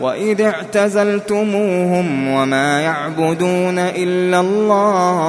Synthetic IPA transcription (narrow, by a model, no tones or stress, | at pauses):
wa̰ʔɪðaʕt̪azalt̪ʊmuːhʊmwamaːjaʕbʊd̪uːnaʔɪlːalːaː